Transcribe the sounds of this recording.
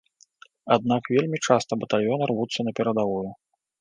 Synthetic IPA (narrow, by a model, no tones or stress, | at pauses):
ad̪̚nakvʲelʲmʲit͡ʂast̪ɐbɐt̪alʲjɔnɐrvut̪sːɐnɐpʲɛɾɐd̪avɔju